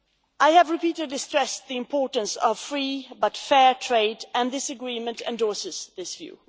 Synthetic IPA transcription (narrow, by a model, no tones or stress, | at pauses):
ʔaɪɨvɹɨpiːɾɨdˡlistɹ̥ɛsðiɨ̃mpʰɔɹtn̩sʌv̥fɹiːbʌtfɛɹtʰɹ̥eɪdɨ̃nðɪsɨɡɹĩmɨ̃ntɛ̰̃ndɔɹsɨz̥ðɪsv̥jʉ̰